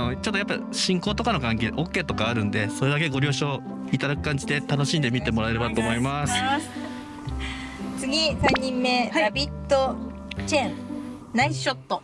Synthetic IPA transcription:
ot͡ɕo̞t̪ːojapːa̰ɕĩŋko̞ːt̪o̞kano̞kãŋke̞ːʔo̞kʲːe̞ːt̪o̞kaːɾɯ̟̃nd̪e̞so̞ɾe̞d̪ak̬e̞ɡo̞ɾʲo̞ːɕo̞ː | it̪ad̪akɯ̟̥kãɲ̟d͡ʑid̪e̞t̪ano̞ɕĩnd̪e̞mʲit̪e̞mo̞ɾae̞ɾe̞bat̪o̞ːmo̞imass | t͡sɨɡʲisãɲ̟ːĩmːe̞abʲit̪ːo | t͡ɕẽn | naiɕot̪ːo

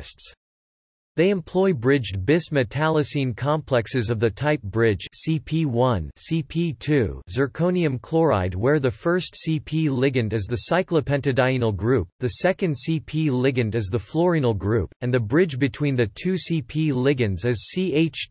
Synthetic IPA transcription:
sts | ðeɪɨ̃mpʰl̥ɔɪbɹɪd͡ʒbɪsmɨtʰælˠɨsĩnkʰɑ̃mpʰl̥ɛksɨzʌvðɨtʰaɪp̚b̥ɹɪ̥ʒ̥sipʰiwʌ̃nsipʰitʰʉzə˞kʰõʊ̃niɨ̃mkʰl̥ɔɹa̰ɪd̚wə˞ðɨfɜ˞stsipʰilɪɡɨ̃ndɨzðɨsaɪklˠəpʰɛ̃ntɨdaɪ̃nl̩ˠɡɹʉp̚ðɨsɛkɨ̃nd̥sipʰilɪɡɨ̃ndɨzðəflɔɹĩnl̩ˠɡɹʉpɨ̃nðɨbɹɪd͡ʒbɨtʰw̥ĩnðɨtʰʉsipʰilɪɡɨ̃nzɨz̥sieɪt͡ʃ

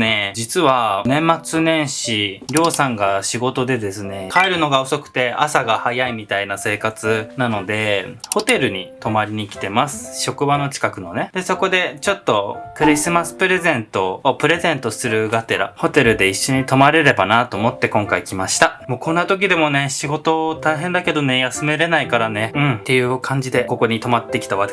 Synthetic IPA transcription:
ne̞d͡ʑit͡sɨβanẽ̞mːat͡sɨnẽ̞ɰ̃ɕiɾʲo̞ːsãŋɡaɕiɡo̞t̪o̞d̪e̞d̪e̞sɨne̞haeɾɯ̟no̞ɡao̞so̞kɯ̟̥t̪e̞asaɡahajaimʲit̪ainase̞ːkat͡sɨnano̞d̪e̞ho̞t̪e̞ɾɯ̟ɲ̟it̪o̞maɾʲiɲ̟ikʲi̥t̪e̞masɨ̥ɕo̞kɯ̟bano̞t͡ɕi̥kakɯ̟no̞ne̞d̪e̞so̞ko̞d̪e̞t͡ɕo̞t̪ːo̞kɯ̟ɾʲisɨmasɨ̥pɯ̟ɾe̞zẽ̞nt̪o̞ːpɯ̟ɾe̞zẽ̞nt̪o̞sɨɾɯ̟ɡat̪e̞ɾa̰ho̞t̪e̞ɾɯ̟d̪e̞iɕːo̞ɲ̟it̪o̞maɾe̞ɾe̞banat̪o̞ːmo̞t̪ːe̞kõ̞ŋkaikʲimaɕi̥t̪amo̞ːkõ̞nːat̪o̞k̬ʲid̪e̞mo̞ne̞ɕiɡo̞t̪o̞t̪aiɦẽ̞nd̪ake̞d̪o̞ne̞jasɨme̞ɾe̞naikaɾane̞ɯ̟̃ɴt̪e̞jɯ̟ːkʰãɲ̟d͡ʑid̪e̞ko̞ko̞ɲ̟it̪o̞mat̪ːe̞kʲi̥t̪aβḁ

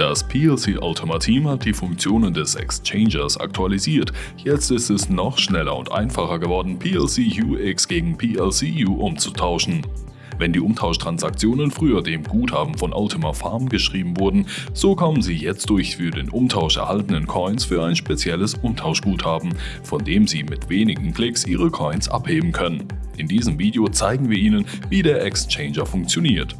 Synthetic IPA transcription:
d̥aspʰiːɛlsiːʔa̰ʊtʰəmatʰiːmhat̚d̥iːfʊŋkt͡sjoːnəndɛsɛ̰kst͡ʃɛɪnd͡ʒɐsa̰k̚tʰualiziːɐt | jɛt͡stɪstɛsnɔχʃnɛlɐ̰ʊ̰ntʔa̰ɪnfaχɐɡəvɔɐdn̩pʰiːɛlsiːjuːʔɪksɡ̥eːɡŋ̩pʰiːɛlsijuːʔʊmt͡su̥tʰaʊʃn̩ | vɛndiːʔʊmtʰaʊʃtʁ̥ansak̚t͡sjoːnənfʁ̥yːɐdeːmɡuːthaːbm̩fɔnʔa̰ʊtʰəmafaɐmɡəʃʁ̥iːbm̩vʊɐdn̩z̥okʰɔmənziːjɛt͡st̚d̥ʊɐçfyːɐdeːnʔʊmtʰaʊʃɛ̰ɐhaltənənkʰɔʏnsfyːɐaɪnʃpet͡sjɛləsʔʊmtʰaʊʃɡ̥uːthaːbm̩fɔndeːmziːmɪtv̥eːnɪɡŋ̩kʰl̥ɪksʔiːʁəkʰɔʏnsʔa̰pheːbm̩kʰœnənʔɪndiːzəmviːdejot͡saɪɡŋ̩viːɐʔiːnənviːdeːɐʔɛkst͡ʃɛɪnd͡ʒɐfʊŋkt͡sjoniːɐt

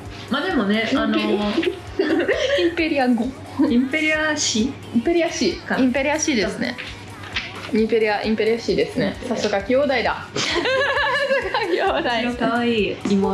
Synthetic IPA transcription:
mad̪e̞mone̞ano | ĩmpe̞ɾʲiaɡo | ĩmpeɾʲiaɕi | ĩmpe̞ɾʲiaɕiĩmpe̞ɾʲijaɕiːd̪esɨne̞̰ | ĩmpe̞ɾʲiaʔĩmpe̞ɾʲijaɕiːd̪e̞sɨne̞sasokakʲijoːd̪aid̪a | akioːd̪aiokaβaiːimo

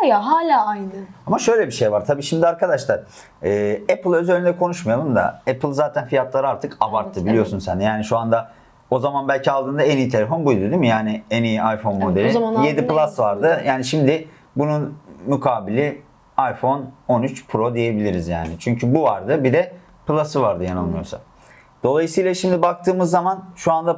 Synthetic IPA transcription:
ajaɦaːlʲaːajnɯamaʃø̞jlʲɛbiʃejvaɾt̪ʰabiːʃimd̪iaɾkʰad̪aʃlˠaɾ̥ | ɛːɛplˠøzeɾʲind̪ɛkʰo̞nuʃmajalˠɯmd̪a̰ɛpʰɯlˠzaːt̪ʰænfijat̪ʰlˠaɾɯaɾt̪ʰɯkabaɾt̪ʰːɯbilʲijo̞sunsænd̪ɛjaːniʃuand̪a | o̞zamanbælʲcialˠd̪ʰɯːnd̪aenijit̪ʰe̞lʲefo̞nbujd̪ud̪imijaːnɪenijiajfo̞nmo̞d̪elʲije̞d̪iplˠasvaɾd̪ɯjaːniʃimd̪ɪ | bununmykʰaːbilʲɪ | ajfo̞no̞nyt͡ʃpʰɾo̞d̪ije̞bilʲiɾizja̰ːnɪt͡ʃʰyɲcʰybuvaɾd̪ɯbid̪ɛ | plˠasɯvaɾd̪ɯjanɯlˠmɯjosa̰n | d̪̥o̞lˠajɯsɯjlˠaʃimd̪ibak̚t̪ʰɯːmɯzːamanʃuand̪a

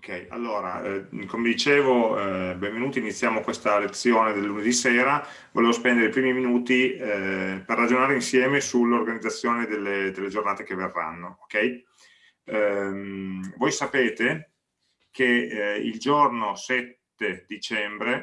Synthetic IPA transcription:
okɛja̰lːoːɾa̰komed̪it͡ʃeːvobẽɱvenuːt̪iːnit̪sːjaːmokwest̪alet̪sːjoːned̪elːuned̪iseːɾa | voleːvospɛnd̪eɾeipɾiːmiminuːt̪i | perːad͡ʒonaːɾeinsjɛːmesulːorɡanid̪zat̪sːjoːned̪elːed̪elːed͡ʒornaːt̪ekeverːa̰nːookɛj | mvojsapeːt̪e | kʰeḭld͡ʒornosɛt̪ːed̪it͡ʃɛmbɾe

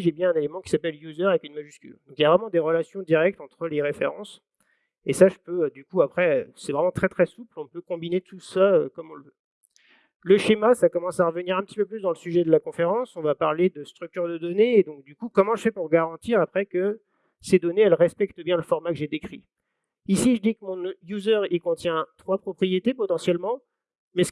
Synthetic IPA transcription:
ʒebjɛ̃ɛ̃nelemɑ̃kʲi̥sapɛljuzɛʁavɛkynmaʒyskʲy̰ld̪ɔ̃kiljavʁɛmɑ̃d̪eʁəlasjɔ̃d̪iʁɛk̚t̪ɑ̃t̪χəleʁefḛʁɑ̃s | esaʒəpød̪ykuapχɛøsɛvʁɛmɑ̃t̪χɛt̪χɛsuplɔ̃pøkɔ̃binet̪usaøkɔmɔ̃ləvø | ləʃemasakɔmɑ̃saʁəvəniʁɛ̃pət̪ipøplysd̪ɑ̃ləsyʒɛd̪əlakɔ̃feʁɑ̃sɔ̃vapaʁled̪əst̪χyk̚t̪yʁd̪əd̪ɔneːd̪ɔ̃k̚d̪ykukɔmɑ̃ʒəfɛpuʁɡaʁɑ̃t̪iʁapχɛkə | sed̪ɔneɛlʁɛspɛkt̪əbjɛ̃ləfɔʁmakəʒed̪ekχi | isiʒəd̪ikəmɔ̃juzœʁikɔ̃t̪jɛ̃t̪χwapχɔpχijet̪epɔt̪ɑ̃sjɛlmɑ̃ | mɛs

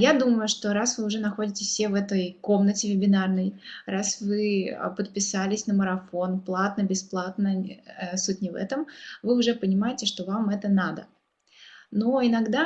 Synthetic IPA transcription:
jad̪uməjʊʂt̪o̞ɾasvɨʊʐɛnɐxo̞dʲɪtʲɪ̥fʲsʲevɛt̪əjko̞mnətʲɪvʲɪbʲɪnarnəjrasvɨ̰pət̪̚pʲɪsalʲɪsʲnəməɾɐfo̞nplˠat̪nəbʲɪsplˠat̪nəsut̚ʲnʲɪvɛ̰t̪əmvɨʊʐɛpənʲɪmajɪtʲɪʂt̪o̞vamɛt̪ənad̪ə | noɪnɐɡd̪a

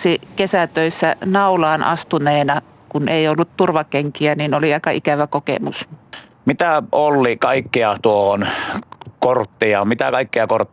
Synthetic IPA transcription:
sikesæt̪øˑisːænɑulɑːnʔɑ̰st̪uneːnɑ | kuneˑiolːut̪t̪urʋɑkeŋkiæniːnoliɑˑikɑʔikæʋækokḛmṵs | mit̪æolːikɑˑikːiɑt̪uohon | kort̪ːiɑːmmit̪ækɑikːiɑkort̪ːˑ

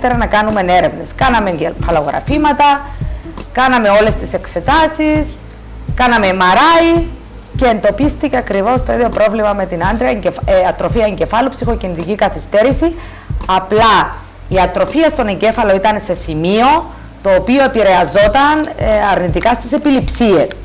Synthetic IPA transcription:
t̪eɾɐnɐkɐnume̞ne̞ɾe̞vne̞skɐnɐme̞fɐlo̞ɣɾɐ̰fimɐt̪ɐ | kɐnɐme̞o̞le̞st̪ise̞kse̞t̪ɐsis | kɐnɐme̞mɐɾɐi | ce̞ːnd̪o̞pist̪iceɐkɾivo̞st̪o̞iðio̞pɾo̞vlimɐme̞t̪inɐnd̪ɾiɐɲɟeɐt̪ɾo̞fiɐeɲɟe̞fɐlupsixo̞cinit̪icikɐθist̪e̞ɾisi | ɐplɐ | iɐt̪ɾo̞fiɐst̪o̞neɲɟe̞fɐlo̞it̪ɐnse̞simio̞ | t̪o̞ːpio̞e̞piɾe̞ɐzo̞t̪ɐnɐɾnit̪ikɐst̪ise̞pilipsie̞s

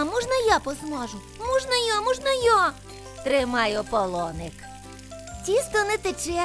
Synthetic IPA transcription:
mɔʒnɐjapɔzmɔʒʊ | mɔʒnɐjɔmɔʒnɐjɔ | t̪ɾɪmɑjʊpɔlˠɔnɪk | tʲist̪ɔnɛt̪ɪt͡ʃɛ

